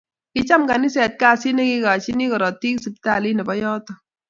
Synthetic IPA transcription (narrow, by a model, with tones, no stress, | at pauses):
kɪ˦t͡ʃa˦mka˨ni˦sɛ˨t̚ka˦˨si˦nɛ˦ki˦ka˨t͡ʃi˦ni˦kɔ˨ɾɔ˨ti˦ksi˨p̚ta˦˨li˦nɛ˨bɔ˦jɔː˦tɔ˦